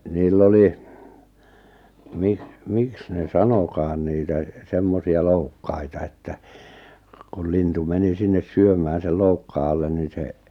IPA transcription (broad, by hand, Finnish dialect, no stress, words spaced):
niːlː oli miks miks ne sɑnokɑːn niːtæ semːosiɑ loukːɑitɑ etːæ kul lintu meni sinːes syømæː sel loukːɑː ɑlːen nin̞ se